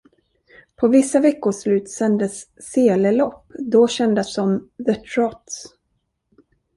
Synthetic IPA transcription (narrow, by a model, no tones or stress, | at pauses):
pʰɔvɪsːavɛkːʊʂlʉ̟ːt̪sɛnd̪əsː | eːləlɔpːd̪ɔɕɛnd̪əsːɔmðət̪ʰɾɔt̪s